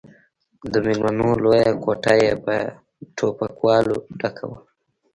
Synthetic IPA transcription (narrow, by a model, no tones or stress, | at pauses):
d̪əmelmanolojakoʈajeba | ʈʰopakwɑloɖakʰa̰wə